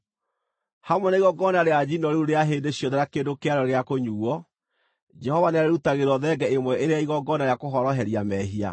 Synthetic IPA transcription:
hamwɛnaiɣɔɡɔnaɾead͡ʑinɔɾuuɾeaɦeːndeɕjɔðɛɾakedokeaɾɔɾeakoɲuːɔ | d͡ʒɛhɔvanɛaɾeɾutaɣeɾɔðɛɡɛemwɛʔeɾeaiɣɔɡɔnaɾeakoɦɔɾɔɦɛɾiamɛɦia̰

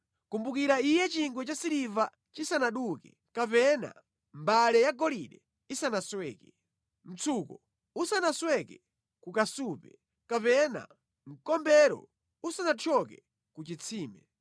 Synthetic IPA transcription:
kumbukiɾaijɛt͡ʃiŋɡwɛt͡ʃasiɾiva | t͡ʃisanaɗukɛ | kapɛna̰ | mbalɛjaɡɔliɗɛ | isanaswɛːkɛ | m̩t͡sʰuːkɔ̰ | usanaswɛkɛ | kukasuːpɛ | kapɛna̰ | ŋ̩kɔmbɛɾɔ̰ | usanatʰɔkɛ | kut͡ʃit͡sʰiːmɛ

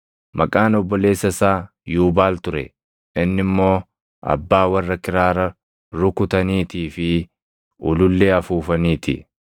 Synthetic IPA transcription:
mɐkʼaːnɔbːɔle̞ːsːɐsaː | juːbaːlt̪ʊɾɛ̰ | ɪnːɪmːo̞ː | ʔɐ̰bːaːwɐrːɐkɪɾaːɾɐ | ɾʊkʊt̪ɐniːt̪iːfɪ | ʔʊ̰lʊlːeːɐfuːfɐniːt̪ɪ̰

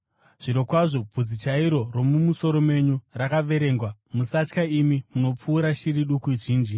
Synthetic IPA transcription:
ʐ̥iɾo̞kwaʐo̞b͡vud͡zit͡ʃaiɾo̞ro̞mumuso̞ɾo̞me̞ɲurakaʋe̞ɾe̞ːŋɡwamusat͡ʃkaimimuno̞p͡fuːɾaʃiɾiɗukuiʐiːnd͡ʒi

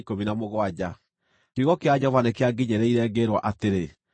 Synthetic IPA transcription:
kominamoɣɔad͡ʑa | tiɣɔkead͡ʑɛɔvanekeaɡiɲɛɾɛiɾɛɡeɾwaʔateɾe

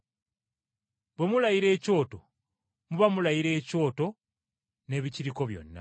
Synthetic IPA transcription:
bwe̞mulajiɾe̞ːco̞ːto | muβamulajiɾe̞ːco̞ːto̞ | ne̞βiciɾiko̞βjo̞̰nːa̰

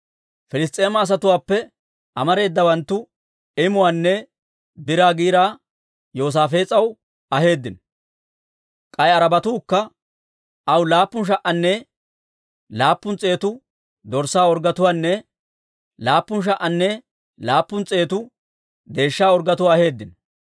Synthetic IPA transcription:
fɪlɪs̬t̪ʼeːmɐːs̬ɐt̪ʊwaːpːɛ | ɐmɐɾe̞ːd̪ːɐbɐnt̪ːʊ | ɪmʊwaːnːɛ | bɪɾaːɡiːɾaː | jo̞ːs̬aːfe̞ːt͡sʼɐw | ɐɦe̞ːd̪ːɪn | kʼɐjɐɾɐbɐt̪uːkːɐ | ʔɐwlaːpːʊnʃ̬ɐʔɐnːɛ | laːpːʊnt͡sʼe̞ːt̪ʊ | d̪ɔɾsaːɔɾɡɐt̪ʊwaːnːɛ | laːpːʊnʃ̬ɐʔɐnːɛ | laːpːʊnt͡sʼe̞ːt̪ʊ | d̪e̞ːʃːaːɔɾɡɐt̪ʊwaːhe̞ːd̪ːɪn

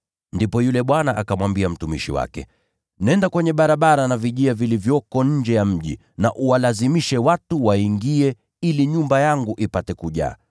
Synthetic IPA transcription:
ndipɔjulɛɓwanaʔakamwambiam̩tumiʃḭwa̰kɛ̰ | nɛndakwɛɲɛɓaɾaɓaɾanaviʄiavilivjɔkɔɲ̩d͡ʒɛjam̩ʄḭ | naʔuwalazimiʃɛwatuwaiŋɡiɛ | iliɲumbajaŋɡuʔipatɛkuʄa̰ː

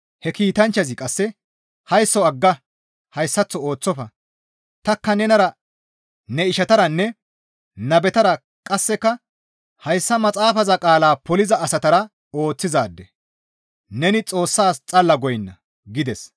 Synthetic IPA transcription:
hɛkiːt̪ɐnt͡ʃːɐzɪkʼɐsːɛ | hɐjsːɔɐɡːɐ | hɐjsːɐt͡sːɔo̞ːt͡sːɔfɐ | t̪ɐkːɐnɛnɐɾɐ | nɛɪʃɐt̪ɐɾɐnːɛ | nɐbɛt̪ɐɾɐ | kʼɐsːɛkːɐ | hɐjsːɐmɐt͡sʼaːfɐzɐkʼaːlaːpɔlɪzɐːsɐt̪ɐɾɐ | o̞ːt͡sːɪzaːd̪ːɛ | nɛnɪt͡sʼo̞ːsːaːst͡sʼɐlːɐɡɔjnːɐ | ɡɪd̪ɛs

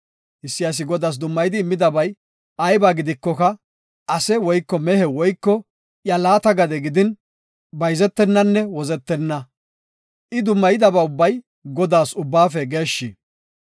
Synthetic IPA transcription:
ʔɪsːɪjas̬ɪɡɔd̪aːs̬d̪ʊmːɐjɪd̪ɪːmːɪd̪ɐbɐj | ɐjbaːɡɪd̪ɪkːɔkɐ | ʔɐsɛwɔjkːɔmɛhɛwɔjkːɔ | jɐlaːt̪ɐɡɐd̪ɛɡɪd̪ɪn | bɐjzɛt̪ːɛnːɐnːɛwɔzɛt̪ːɛnːɐ | ʔɪd̪ʊmːɐjɪd̪ɐbɐʊbːɐj | ɡɔd̪aːsʊbːaːfɛɡe̞ːʃːi

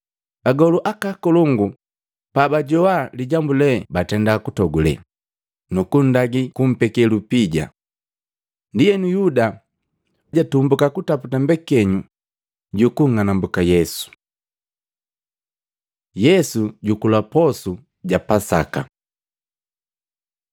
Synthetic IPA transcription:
aɡɔluʔakakɔluŋɡu | pabaɟɔwaliɟambulɛbatɛndakutɔɡulɛ̰ | nukun̩daɡikum̩pɛkɛlupiɟa̰ | ndijɛnujuda | ɟatumbukakutaputambɛkɛɲu | ɟukuŋ̩anambukajɛsu̥ | jɛsuɟukulapɔsu | ɟapasa̰ka̰

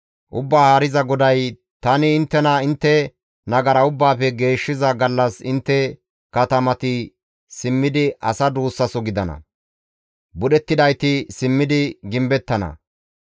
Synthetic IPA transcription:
ʔʊbːaːhaːɾɪzɐɡɔd̪ɐj | t̪ɐnɪːnt̪ːɛnɐɪnt̪ːɛ | nɐɡɐɾɐʊbːaːfɛɡe̞ːʃːɪzɐɡɐlːɐsɪnt̪ːɛ | kɐt̪ɐmɐt̪ɪ | sɪmːɪd̪ɪʔɐsɐd̪uːsːɐsɔɡɪd̪ɐnɐ̰ | bʊɗɛt̪ːɪd̪ɐjt̪ɪsɪmːɪd̪ɪɡɪmbɛt̪ːɐnɐ̰

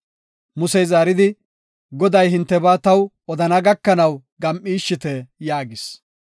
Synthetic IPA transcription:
mʊsɛjzaːɾɪd̪ɪ | ɡɔd̪ɐjɦɪnt̪ːɛbaːt̪ɐw | ɔd̪ɐnɐɡɐkːɐnɐwɡɐmʔiːʃːɪt̪ɛjaːɡɪs

